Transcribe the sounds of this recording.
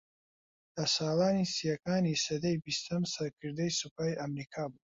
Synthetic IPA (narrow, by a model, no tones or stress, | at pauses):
d̪asaːlaːnisijɐkaːnisɐd̪ɐjbist̪ʰɐmsɐɾkʰɨɾd̪ɐjsupʰaːjʔɐmɾikʰaːbu